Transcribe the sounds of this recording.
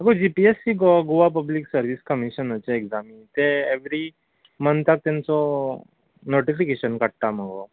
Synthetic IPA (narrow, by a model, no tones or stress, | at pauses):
məɡod͡ʑipiesiɡoaɡoʋap̬əbliksəɾʋiskəmiɕənət͡ɕeekzamit̪eeʋɾi | mənt̪ak̚t̪jãnt͡sɔ | noʈifikeɕənkəɽt̪am̤əɡo̰